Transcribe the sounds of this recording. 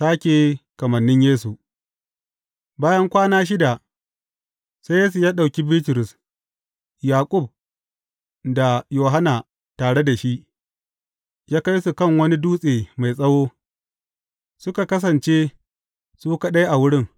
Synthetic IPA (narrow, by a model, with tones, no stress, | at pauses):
saː˦kʲe˨kɐ˨mɐ˨nːɪ˦ɲjeː˦su˨ʔ | baː˦jɐ˦ŋkʷaː˦naː˦ʃ̬ɪ˦da˨ | sa˦jeː˦s̬u˨jaː˦ɗa˨wkʲi˦bi˦tɪ˨ɾʊ˨s | jaː˨kʷʼʊ˦˨b̚ | da˨joː˨ɦa˦na˨ | taː˨ɽe˦da˨ʃi˦ʔ | jaː˦ka˦jsu˨kɐ˦˨ŋwɐ˦ni˦duː˦sʼeː˨ma˨jsʼɐ˦woː˦ | sʊ˦ka˨kɐ˦s̬ɐ˨nt͡ʃe˦ | suː˦ka˨ɗa˦jʔa˨wʊ˦ɽɪ˦˨ŋ